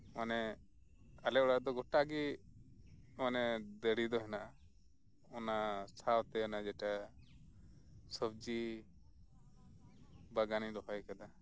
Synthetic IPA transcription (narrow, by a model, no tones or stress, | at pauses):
manɛ | alɛɔɽaʔd̪ɔɡɔʈaɡi | manɛd̪əɽid̪ɔɦɛnaʔa | ɔnasʰawt̪ɛɔnad͡ʒɛʈa | səb̚d͡ʒi | baɡanid̪ɔɦɔjkad̪a